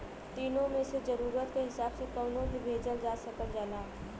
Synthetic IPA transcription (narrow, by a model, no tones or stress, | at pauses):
t̪iːnõmẽsezəɾuːɾət̪keɦɪsaːbsekəːnõbʱibʱeːd͡ʒəld͡ʒaːsəkəld͡ʒaːlaː